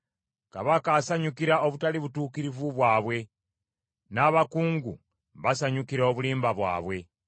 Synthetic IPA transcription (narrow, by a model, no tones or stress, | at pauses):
kaβakasaɲukiɾao̞βutaliβutuːkiɾivuβwaːβwe̞ | naβakuːŋɡṵ | βasaɲukiɾoβuliːmbaβwa̰ːβwe̞